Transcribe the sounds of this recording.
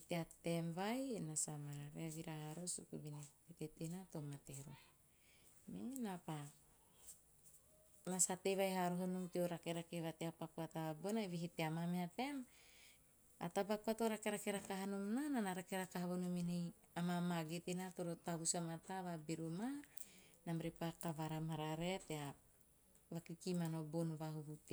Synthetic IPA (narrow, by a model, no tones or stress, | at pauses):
teatemvajnasamaɾaɾeaβiɾaɦaɾosṵkubinepetetenatomateɾo | menapa | nasatevajɦaɾoɦanumtioɾakeɾakeβateapakuataabonajβiɦiteamameate̞m | a̰tabakuatoɾakeɾakeɾakaɦanomnananaɾakeɾakaɦaβonominej | amamaɡetenatoɾotaβusamataβabiɾuma | namɾipakavaɾamaɾaɾetea | βakikimanobonβaɦuβute